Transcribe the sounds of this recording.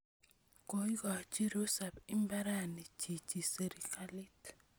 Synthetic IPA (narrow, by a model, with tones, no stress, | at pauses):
ko˨i˦ɡɔ˨t͡ʃi˦ɾo˦sa˨bi˦mba˦ɾa˦˨ni˨t͡ʃi˨t͡ʃi˨se˨ɾi˨ka˦li˦t